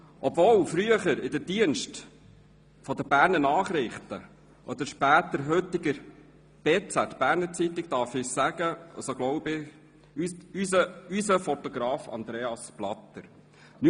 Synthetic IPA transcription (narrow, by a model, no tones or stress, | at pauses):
ʔɔbvɔːlfɾyəχəɾɪdədiənʃt | fɔd̪əbæːɾnənɑːχɾɪχt̪ə | ʔɔd̪əɾʃpæːt̪əɾɦɵtɪɡəɾ | b̥eːt͡sæt̪b̥æːɾnət͡sit̪ɪk̚t̪ɑɾfɪçsæɡ̥əɑsoɡlɔʊbɪ | ysəysəfɔt̪ɔɡɾɑːfɑ̰nd̪ɾeːɑsplɑ̰t̪ːəɾ | ny